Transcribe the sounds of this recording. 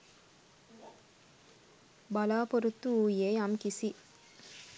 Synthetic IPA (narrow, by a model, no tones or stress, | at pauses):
bɐlaːpɔɾut̪ːuuːjeːɐmkisi